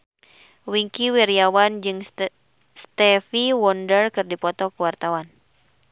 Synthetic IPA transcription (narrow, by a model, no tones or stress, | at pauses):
wiŋkiwiɾiawand͡ʒɨŋ | st̪ɛfiwɔndərkɨrdipɔt̪ɔkəwart̪awan